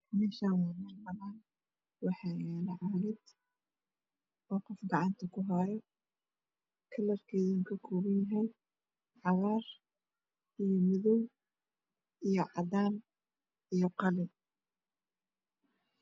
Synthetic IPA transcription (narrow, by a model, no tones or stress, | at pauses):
mɛːʃaːnwɑːmɐrmɐnaːn | wɑħɑjaːnɐʕɑːlɪd̪ | ɔːqɔfɡɑʕɑnt̪ʰɐkʰʊɦɑjɔ | kʰɐlɐrkʰɛːðɪŋkʰɐkʰɔːβɐnjɐɦɛj | ʕɑβaːr | ʔijɔmɪðɔw | ʔijɞʕɑd̪aːn | ijɔqɑlɪ